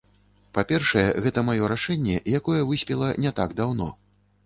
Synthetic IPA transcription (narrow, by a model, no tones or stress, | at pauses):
papʲɛrʂɐjɛɣɛt̪ɐmajɔɾaʂɛnʲːɛjakɔjɛvɨsʲpʲɛlˠɐnʲɛt̪aɡd̪awn̪ɔ̰